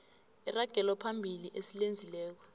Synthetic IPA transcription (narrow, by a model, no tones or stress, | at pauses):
iraɡ̥ʱɛlwapʰambʱiliʔesilend͡zʱilɛːk̬ɔ̥